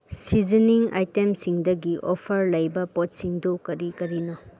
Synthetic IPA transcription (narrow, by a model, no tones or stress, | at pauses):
siziniŋa̰jtemsiŋdɐɡiʔopʰɐɾlɐjbɐpɔt̚siŋdokɐɾikɐɾinɔ